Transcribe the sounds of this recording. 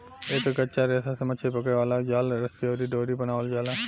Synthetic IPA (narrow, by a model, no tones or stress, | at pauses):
eːkɡətːt͡ʃaɾɛːsasemət͡ʃʰepɐkeʋaːlad͡ʒaːlɾəst̪ioːɾiɖoːɾibənaːʋəld͡ʒaːlaː